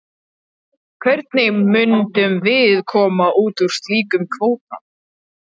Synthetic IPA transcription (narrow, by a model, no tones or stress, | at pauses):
kʰvɛɾt̪nɪmʏnt̪ʏmvɪðkʰɔːmaʔuːt̪uɾ̥st̪liːkʏmkʰvoːwt̪̚a̰